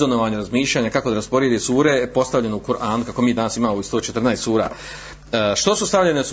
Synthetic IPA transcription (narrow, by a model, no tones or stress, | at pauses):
onoʋaːɲaɾazmiːʃʎaːɲakakod̪aɾaspo̞ɾjed̪esuːɾe̞po̞st̪aʋʎe̞noukuɾʔaːnukakomiːd̪anasimaːmoist̪o̞ːt͡ʃet̪rnaest̪suːɾa̰ː | ʃt̪o̞sust̪aʋʎenes